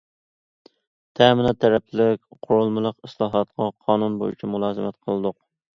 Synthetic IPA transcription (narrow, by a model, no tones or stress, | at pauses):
t̪ʰɛmɪnɑt̪ʰːɛɾɛplɪkʲqʰʊɾulˠmɨlˠəqɨslˠɑːɦɑt̪̚qɑqʰɑːnunbo̰jy̰t͡ʃʰimulˠɑːzɨmɛt̪qʰəlˠɨd̪ʊq